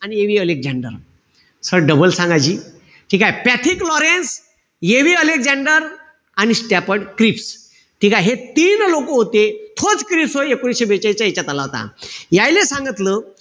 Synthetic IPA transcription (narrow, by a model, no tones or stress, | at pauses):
anieʋiːəlek̚d͡ʑaɳɖə̰ɾ | səɽɖəbəlsãŋɡajd͡ʑiː | ʈʰikajpat̪ʰiklɔɾens | jeʋiːəlek̚d͡zaɳɖəɾ | añisʈapəɽkɾips | ʈʰikajɦet̪iːnlokoɦot̪et̪ʰot͡skɾipsɦoekoɽiɕebet͡ɕajt͡ɕaet͡ɕat̪alaɦt̪a̰jajlesãŋɡət̪lə